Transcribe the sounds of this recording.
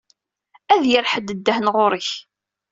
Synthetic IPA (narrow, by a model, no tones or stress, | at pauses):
æðjəɾħəd̪əd̪ːəhnʁʊɾəç